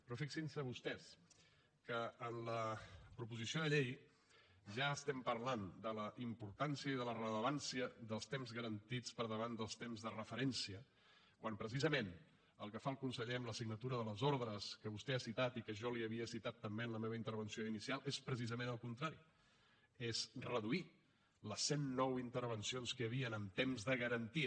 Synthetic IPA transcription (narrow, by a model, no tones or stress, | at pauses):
pɾɔfiksinsəβust̪ɛs | kəːnləpɾupuzisioðəʎej | ʒaəst̪ɛmpəɾland̪ələʔimpuɾt̪ansiəiðələrələβansiəðəlˠst̪emzɣəɾənt̪it͡spəɾð̞əβand̪əlˠst̪emzðərəfəɾɛnsiə | kwampɾəs̬izəmen | ə̰lˠkəfaəlˠkunsəʎeəmləsiɡnət̪uɾəðələzoɾðɾəskəβust̪easit̪at̪ikəʒɔliəβiəsit̪at̪ːəmbeənləmeβəint̪əɾβənsijoinisialˠʔespɾəsizəmẽnəlˠkunt̪ɾaɾi | ezrəðui | ləsːenːɔwint̪əɾβənsionskəəβ̞iənəmt̪emzðəɣəɾənt̪iə